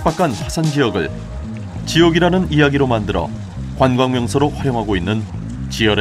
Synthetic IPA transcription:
p͈akʰanɸasʰand͡ʑijʌɡɯ̰ɭ | t͡ɕijʌɡiɾanɯnijaɡiɾomandɯɾʌ̰ | kwanɡwaŋmjʌŋsʰʌɾoɸwaɾjoŋɦaɡoinːɯn | t͡ɕiʌɾe

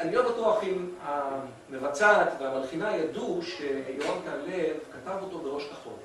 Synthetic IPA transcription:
aljomat̪oaχima | mevat͡sat̪veamalχinajad̪uʃejoavk̪alevkat̪avo̞t̪o̞beʁo̞ʃkaχo̞̰l

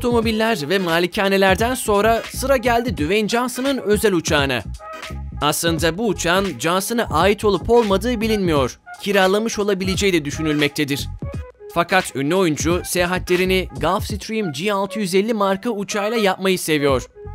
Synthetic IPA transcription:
ot̪ʰo̞mo̞bilʲːæɾvɛmaːlʲicʰaːne̞lʲæɾd̪ænso̞nɾasɯɾaɟælʲd̪id̪yvɛnd͡ʒansɯnɯnø̞zælʲut͡ʃʰaːna̰ | aslˠɯnd̪abuːt͡ʃʰand͡ʒansɯnaʔaːjit̪ʰo̞lˠupʰo̞lˠmad̪ɯːbilʲinmijo̞ɾ̥ | cʰiɾaːlˠamɯʃo̞lˠabilʲed͡ʒɛjd̪ɛd̪yʃynylʲmɛc̚t̪ʰed̪iɾ̥ | fakʰat̪ynlʲɛo̞jund͡ʒuse̞jaːɦat̪lʲe̞ɾiniɡafsit̪ɾiimd͡ʒialˠt̪ʰɯjyzelʲːimaɾkaut͡ʃʰajlˠajap̚majɯse̞vijo̞ɾ̥

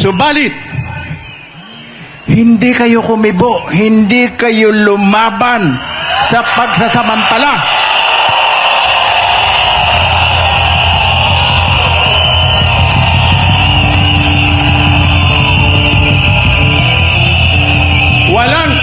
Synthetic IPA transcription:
sʊbaːlɪt̪̚ | hɪnd̪ikɐjokʊmɪboʔhɪnd̪ikɐjolʊmaːbansɐpɐɡ̚sasɐmɐnt̪ala | wɐlaŋ

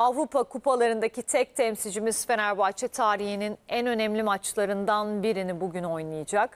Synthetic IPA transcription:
avɾupakʰupalˠaɾɯnd̪acit̪ʰɛc̚t̪ʰɛmsid͡ʒimiz̥fe̞næɾbat͡ʃʰɛt̪ʰaːɾihininænø̞nɛmlʲimat͡ʃlˠaɾɯnd̪anbiɾinibuɟyno̞jnˠɯjad͡ʒak

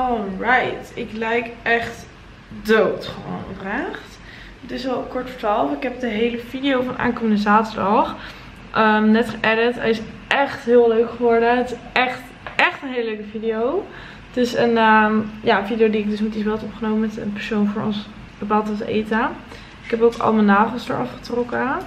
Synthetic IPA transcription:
ɔlˠɹajtɪklɛjkʔɛχt | dowtχəʋo̰wnɔ̰fraːχt | dɪsɑlˠkɔɹtfə̥ɹtalˠfɪkɦɛp̚dəɦejləvidiowfɑndəʔa̰ːnkoməndəzaːtəɹdɑχ | ʔəmnɛtχəʔɛɾətɛ̰jɪs | ʔɛχtɦɪːlˠøɥkχəʋɔɹdəətɪsʔɛχt | ɛχtənɦejləløɥkəvidijow | tɪsənəmjaənfidijowdiɪɡ̚dɵsmɛtisbɛlˠtopχənowməmɛtənpɛɹsownvʊːɹɔ̰ns | bəpalˠtɑsḛjta | ɪkɦɛpowkʰɑ̰lˠmənːaːvəlˠsdə̰ɹɑfχə̥trɔkə

